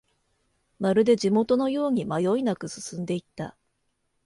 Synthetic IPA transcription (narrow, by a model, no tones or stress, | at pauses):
maɾɯ̟d̪e̞ʑimo̞t̪o̞no̞jo̞ːɲ̟imajo̞inakɯ̟sɨ̥sɨ̃nd̪e̞it̪ːa̰